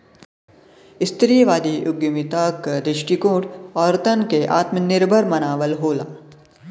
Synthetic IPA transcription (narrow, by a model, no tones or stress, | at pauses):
ɪst̪ɾiːjʋaːd̪iʔʊɡjumit̪akd̪ɾɪʃʈikoːʈɔːɾt̪ənkeʔa̰ːt̪mənɪɾbʱəɾmɐnaːʋəlɦoːlaː